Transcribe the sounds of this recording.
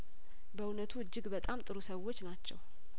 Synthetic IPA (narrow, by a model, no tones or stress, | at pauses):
bəunət̪ʰuɨd͡ʒːɨɡbət̪ʼamt̪ʼɨɾusəwːo̞t͡ʃːnat͡ʃːɛ̰w